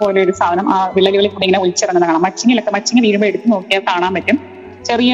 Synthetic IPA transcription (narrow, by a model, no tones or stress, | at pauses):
poːleo̞ɾust̪ʰaːd̪ɐnɐmʔaːʋiɭːɐliɣɐɭekːuːɽiŋɐneult͡ɕːɐrɐnːɐnɐkːɐɳamːɐt͡ɕːiŋːɐlokːemɐtːiŋːɡɐlʋiːɾumbɐeɽut̪ːɨno̞ːkːijaːkaːɳaːmpɐtːum | t͡ɕerijɐ